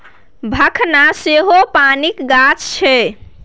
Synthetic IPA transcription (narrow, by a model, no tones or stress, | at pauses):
bʱəkʰnaseɦopanikɡat͡ʃt͡ʃʰɛ